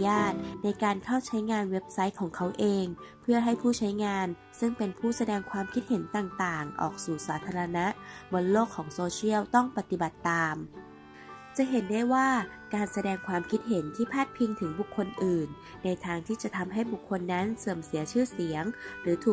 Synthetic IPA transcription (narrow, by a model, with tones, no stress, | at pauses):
jaː˥˩t̪̚na˧jkaː˧nkʰa˥˩wt͡ɕʰa˦˥jŋaː˧nwe˦˥p̚sa˦˥j̚kʰɔː˨˩˦ŋkʰa˦˥wʔeː˧ŋpʰɯ˥˩ɐɦa˥˩jpʰuː˥˩t͡ɕʰa˦˥jŋaː˧n | sɯ˥˩ŋpe˧npʰuː˥˩sa˧dɛː˧ŋkʰwaː˧mkʰi˦t̪̚he˩˦nt̪aː˨˩ŋt̪aː˨˩ŋʔɔ̰ː˨˩k̚suː˨˩saː˩˦t̪ʰːaː˧ɾa˧na˦˥ʔbo˧nloː˥˩kʰːɔː˩˦ŋsoː˧t͡ɕi˥˩əwt̪ɔ˥˩ŋpa˧˦t̪i˨ba˨˩t̪ːaː˧m | t͡ɕa˧˩˦ɦe˨˦nda˥˩jwaː˥˩ | kaː˨˧nsa˧dɛː˧ŋkʰwaː˧mkʰi˦˥t̪̚ɦe˩˦nt̪ʰiː˥˩pʰaː˥˩t̪̚pʰi˧ŋt̪ʰɯ˩˦ŋbu˨˩kʰːo˧nʔɯː˨˩nː | a˧jt̪ʰaː˧ŋt̪ʰiː˥˩t͡ɕa˨˩ʔt̪ʰa˧mɦa˥˩jbu˨˩kʰːo˧nːa˦˥nsɤː˧˩msi˨˩˦ɐt͡ɕʰɯː˥˩si˨˩˦ɐŋɾɯː˩˦t̪ʰuː˨˩